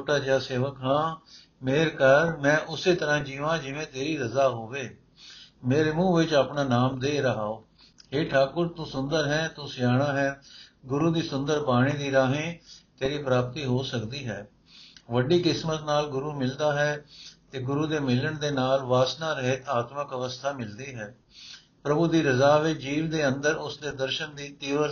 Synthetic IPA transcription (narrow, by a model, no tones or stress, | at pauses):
oʈaːd͡ʒjaːseːʋəkɦãː | meːɾkəɾmɛ̃ːʔʊseːt̪əɾãːd͡ʒiːʋãːd͡ʒɪʋẽːt̪eːɾiːɾəzaːɦoːʋeː | meːɾeːmũːʋɪt͡ʃaːpɳaːnaːmd̪eːɾəɦaːoː | heːʈʰaːkʊɾt̪ũːsʊnd̪əɾɦɛ̃ːt̪õːsɪjaːɽ̃aːɦɛːɡʊɾuːd̪iːsʊnd̪əɾpaːɽ̃ĩːd̪iːɾaːɦẽːk̪eːɾiːpɾaːp̚t̪iːɦoːsəkd̪iːɦɛː | ʋəɖiːkɪsmət̪naːlɡʊɾuːmɪld̪aːɦɛːt̪eːɡʊɾuːd̪eːmɪləɳd̪eːnaːlʋaːsnaːɾəɦeːt̪aːt̪məkəʋəst̪ʰaːmɪld̪iːɦɛː | pɾəbuːd̪iːɾəzaːʋeːd͡ʒiːʋd̪eːənd̪əɾʊsd̪eːd̪əɾʃənd̪iːt̪iːʋə